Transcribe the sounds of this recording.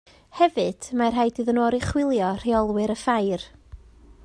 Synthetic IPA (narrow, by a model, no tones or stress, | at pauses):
hɛvɨd̥marɦajdɨðənoːɾiχwɪlˠjɔr̥iɔlˠwɨɾəfajr